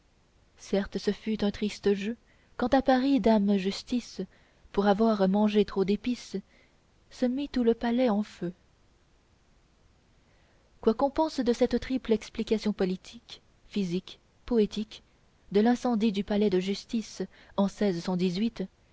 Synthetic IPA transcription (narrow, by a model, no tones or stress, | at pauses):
sɛʁt̪səfyt̪ɛ̃t̪χist̪əʒø | kɑ̃t̪apaʁid̪amʒyst̪is | puʁavwaʁmɑ̃ʒet̪χod̪epis | səmit̪uləpalɛɑ̃fø | kwakɔ̃pɑ̃sd̪əsɛt̪t̪χiplɛksplikasjɔ̃pɔlit̪ʰik | fizik | pɔet̪ik | d̪əlɛ̃sɑ̃d̪id̪ypalɛd̪əʒyst̪is | ɑ̃sɛzsɑ̃d̪izɥit̪